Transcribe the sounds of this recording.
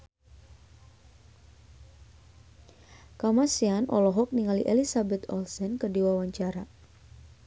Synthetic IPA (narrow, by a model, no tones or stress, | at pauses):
kamasianʔɔ̰lɔɦɔk̚niŋaliʔelisabɛt̪ɔ̰lsɛnkərdiwawaɲt͡ʃaɾa